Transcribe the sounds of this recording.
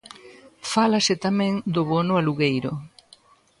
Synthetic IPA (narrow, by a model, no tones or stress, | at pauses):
falasɪt̪amɛ̃ŋd̪ʊβonʊaluɣejɾʊ